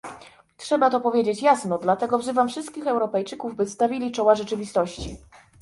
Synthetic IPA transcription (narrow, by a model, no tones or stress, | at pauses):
tʂɛbat̪ɔpɔvʲjed͡ʑet͡ɕjasnɔd̪lat̪ɛɡɔvzɘvamfʂɘst̪̚kʲixɛwɾɔpɛjt͡ʂɘkuvbɘst̪avʲilʲit͡ʂɔwaʐɛt͡ʂɘvʲist̪ɔɕt͡ɕi